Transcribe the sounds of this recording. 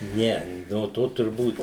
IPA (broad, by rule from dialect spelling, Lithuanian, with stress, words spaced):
ˈnʲɛ noː ˈtoː tʊrˈbuːt